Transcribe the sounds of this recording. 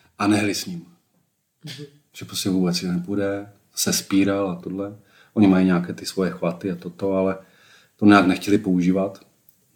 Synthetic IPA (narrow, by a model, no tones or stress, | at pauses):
ʔanɛɦlɪsɲim | ʒ̥ɛpɾoscɛvuːbɛt͡sjɛnɛpudɛ | sɛspiːɾalat̪odlɛ | ʔo̞ɲɪmajiɲaːkɛːt̪ɪsvo̞jɛxvat̪ɪat̪o̞t̪o̞alɛ | t̪oɲaːknɛxcɛlɪpo̞uʒiːvat̪